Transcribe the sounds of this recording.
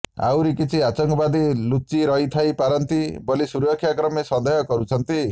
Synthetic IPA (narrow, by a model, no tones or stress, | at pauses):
a̰wɾikit͡ʃʰiat͡ʃɔŋkɔbad̪ilut͡ʃiɾʌɦit̪ʰajpaɾɔnt̪ibɔlisuɾɔkʰjakɾɔmesɔnd̪ʌjɔkɔɾut͡ʃʰʌnt̪i